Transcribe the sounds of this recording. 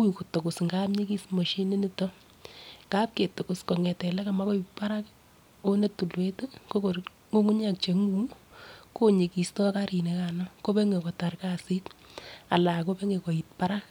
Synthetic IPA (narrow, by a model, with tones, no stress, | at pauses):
kwi˨ko˨to˨kʊ˨sŋɡa˦pɲi˦ki˦smo˨ʃi˦ni˦nɪ˦tɔ˦ | ka˦p̚ke˨to˨kʊ˨sko˨ŋɛ˨tɛ˨lɛ˦ka˨ma˦ko˦i˨tpa˦ɾa˦k | o˦ne˦tu˨lwe˦tu˦ko˦ko˨ | ŋo˦ŋu˦ɲa˦k̚t͡ʃe˨ŋu˦ | ko˦ɲe˨ki˨stɔ˦ka˦ɾi˨ne˨˦kanɔ˦ko˦pe˦ŋe˨kɔ˨ta˨ɾkasi˦ta˨la˨ko˦pe˦ŋe˨kɔ˨i˨t̚pa˦ɾa˦k